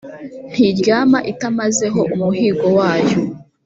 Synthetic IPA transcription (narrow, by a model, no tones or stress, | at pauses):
n̥hiɾɟaːmaʔitamaze̞ɦo̞ʔumuɦiːɡowaːjo